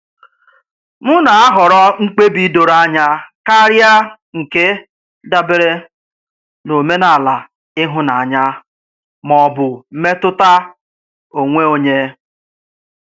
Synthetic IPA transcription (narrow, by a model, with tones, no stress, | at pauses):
mʊ˦na˨a˦ɦɔ˨ɾɔ˦ŋ̩˦k͡pe˦bi˦do˨ɾa˦˨˦ɲa˦ka˦ɾja˦ | ŋ̩˨ke˦ | da˦bɪ˦ɾe˦ | no˨me˦na˨la˨ | ɪ˦ɦʊ˦na˨a˨ɲa˦ | mɔ˨bʊ˨m̩˦me˦tʊ˦ta˦ | o˨ŋʷe˦o˦ɲe˦